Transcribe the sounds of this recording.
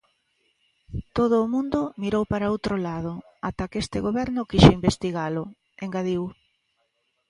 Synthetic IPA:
t̪oð̞ʊːmũnd̪ʊmiɾowpaɾaowt̪ɾolaðo | at̪akest̪eɣoβɛɾnʊkiʃeimbest̪iɣalʊ | eŋɡaðiw

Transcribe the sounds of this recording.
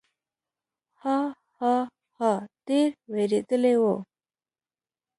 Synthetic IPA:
ha | ha | hat̪eɾweɾed̪əlewo

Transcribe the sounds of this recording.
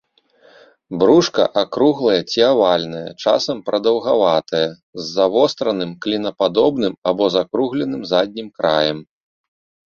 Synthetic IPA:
bɾuʂkɐ̰ʔakɾuɣlˠɐjɐt͡sʲiavalʲnɐjɐ̰t͡ʂa̰sɐmpɾʔɐd̪ɐwɣavat̪ɐjɐ | zːavɔst̪ɾɐnɨmklʲinɐpad̪ɔbnɨmabɔzakɾuɣlʲɛn̪ɨmzad̪ʲnʲimkɾa̰jɐm

